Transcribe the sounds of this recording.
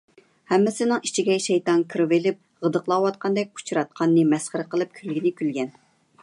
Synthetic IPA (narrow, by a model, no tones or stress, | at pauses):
hɛmːɪsɪnɪŋi̥t͡ʃʰiɡʲɛʃɛjt̪ɑnkʰɨɾɨvɪlɪp̚ʁəd̪əqlˠɑwɑt̪̚qʰɑnd̪ɛk̚ʲʰu̥t͡ʃʰuɾɑt̪̚qʰɑnːɨmɛsχəɾɨqəlˠɨp̚kʲʰylɡʲinɪkʲʰylɡʲɛn